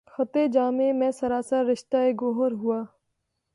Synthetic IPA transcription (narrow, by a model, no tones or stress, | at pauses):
xɐt̪ed͡ʒaːmẽmɛ̃ːsɐɾaːsaɾɾɪʃt̪aeɡoːɦəɾɦuaː